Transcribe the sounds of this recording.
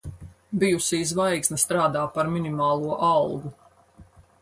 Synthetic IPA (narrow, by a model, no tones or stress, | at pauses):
bijusiːzvajksnast̪ɾaːd̪aːpaɾminimaːlˠuɔʔɑlˠɡu